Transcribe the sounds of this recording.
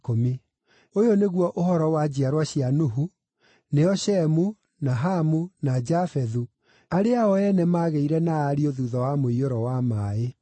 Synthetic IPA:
komi | ojoneɣwɔʔoɦɔɾɔwad͡ʑiaɾwaɕianoɦu | neɔʃɛmu | naɦamunad͡ʑafɛðu | aɾeaɔɛnɛmaːɣeiɾɛnaːɾioðuðɔwamoioɾɔwamae

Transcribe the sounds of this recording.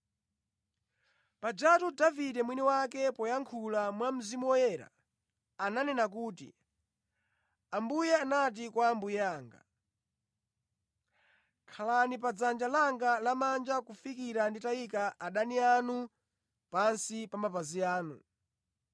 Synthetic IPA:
pad͡ʒatudavidɛmwiniwakɛpɔjaŋkʰulamwam̩zimuwɔjɛːɾa̰ | ananɛnak̬uːtḭ | ambujɛanat̬ikwaːmbujɛaːŋɡa̰ | kʰalanipad͡zand͡ʒalaŋɡalamand͡ʒakufikiɾanditaikaʔaɗanianu | pansipamapaziaːnṵ

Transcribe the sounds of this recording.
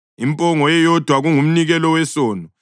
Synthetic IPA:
impʼɔŋɔjɛjɔd̥ʱwaɣuŋum̩niɣɛlɔwɛsɔːnɔ

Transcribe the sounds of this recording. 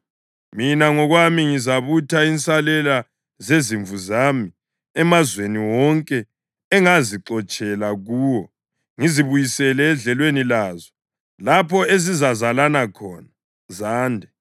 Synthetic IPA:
minaŋɔɣwamiŋizaβutʰaint͡sʼalɛla | zeziɱvuzami | ɛmazweniwɔŋkʼɛː | ŋaziǁɔt͡ʃʼɛlaɣuːwɔ | ŋiziβujisɛlɛːɮɛlwenilaːzɔ | lapʰɔezizazalanakʰɔːna | zaːndʱɛ

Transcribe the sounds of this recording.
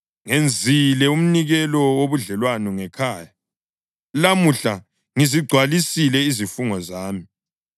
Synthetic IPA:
ŋend͡zʱilɛum̩niɣɛlɔwoβuɮɛlwanuŋɛkʰaːja | lamuɬa | ŋiziɡ͡ǀʱwalisilɛizifuŋɔzaːmi

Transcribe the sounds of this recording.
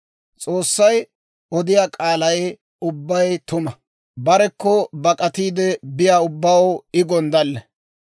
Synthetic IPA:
t͡sʼoːsːɐj | ɔd̪ɪjaːkʼaːlɐj | ʊbːɐjt̪ʊmɐ | bɐɾɛkːɔbɐkʼɐt̪iːd̪ɛbɪjaːʊbːaːwʊɪɡɔnd̪ɐlːɛ

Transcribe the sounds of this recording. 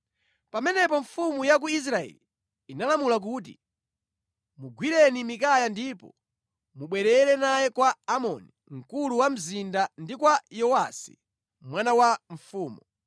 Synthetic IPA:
pamɛnɛpɔɱfumujak̬uis̬ɾaɛ̰li | inalamulak̬uːt̬ḭ | muɡwiɾɛnimikajandiːpɔ | muɓwɛɾɛɾɛnajɛkwaːmɔ̰niŋ̩kuluwam̩zindandikwajɔwasḭ | mwanawaɱ̩fuːmu

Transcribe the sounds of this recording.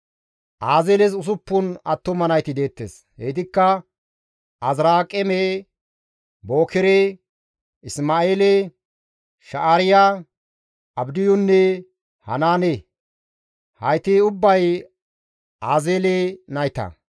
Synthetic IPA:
ʔaːzeːlɛs̬ʊs̬ʊpːʊnɐt̪ːɔmɐnɐjt̪ɪd̪e̞ːt̪ːḛːs | heːt̪ɪkːɐ | ʔɐzɾaːkʼːɛme | boːkɛɾe | ɪsmaːeːle | ʃɐʔaɾɪja | ɐbd̪ɪjʊnːɛ | hɐ̰naːne | hɐjt̪ɪʊbːɐj | ʔaːzeːlenɐjt̪ɐ̰

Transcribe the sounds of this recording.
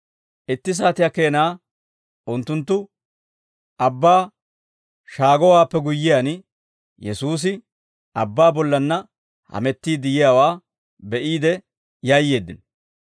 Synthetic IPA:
ʔɪt̪ːɪs̬aːt̪ɪjake̞ːnaː | ʔʊnt̪ːʊnt̪ːʊ | ɐbːaː | ʃaːɡɔwaːpːɛɡʊjːɪjaːn | jɛsuːs̬ɪ | ɐbːaːbɔlːɐnːɐ | hɐ̰mɛt̪ːiːd̪ɪjɪjaːwaː | bɛʔiːd̪ɛ | jajːe̞ːd̪ːɪnɔ

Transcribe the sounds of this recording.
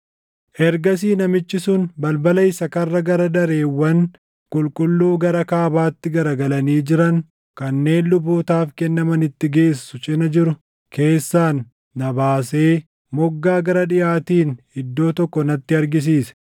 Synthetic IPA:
ʔɛɾɡɐs̬iːnɐmɪt͡ʃːɪsʊnbɐlbɐlɐɪsɐkɐrːɐɡɐɾɐd̪ɐɾe̞ːwːɐn | kʼʊlkʼʊlːuːɡɐɾɐkaːbaːt̪ːɪɡɐɾɐɡɐlɐniːd͡ʒɪɾɐŋ | kɐnːe̞ːnlʊboːt̪aːfkɛnːɐmɐnɪt̪ːɪɡe̞ːsːʊt͡ʃʼɪnɐd͡ʒɪɾʊ | kʰe̞ːsːaːnː | ɐbaːse̞ː | mɔɡːaːɡɐɾɐᶑɪjaːt̪iːnhɪd̪ːo̞ːt̪ɔkːɔnɐt̪ːɪɐɾɡɪs̬iːsɛ̥

